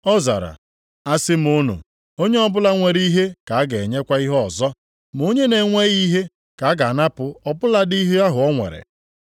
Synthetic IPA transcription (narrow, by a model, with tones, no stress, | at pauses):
ɔ˦za̰˨ɾa̰˨ | a˦sɪ˦m˨o˦nṵ˨ | o˦ɲe˦ɔ˦bʊ˦la˦ŋʷe˨ɾi˦ɦe˦ka˨a˦ɡe˨ɲe˦kʷa˦i˦ɦɔ˨zɔ˦ | m˨o˦ɲe˦ne˨ŋʷe˦ɣi˦ɦe˦ | ka˨˦ɡa˨na˦pʊ˨ɔ˦bʊ˦la˦di˦ɦe˦a˦ɦʊ˨ɔ˦ŋʷḛ˨ɾḛ˨